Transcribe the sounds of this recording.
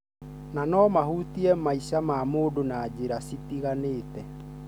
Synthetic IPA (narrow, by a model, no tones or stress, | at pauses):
nanɔmahutiɛmaisamaːmoːdonaːd͡ʑeɾasitiɣaneːtɛ